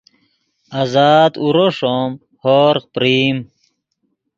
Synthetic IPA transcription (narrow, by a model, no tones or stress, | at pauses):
azaːd̪uɾoʂom | hoːɾqpɾiːm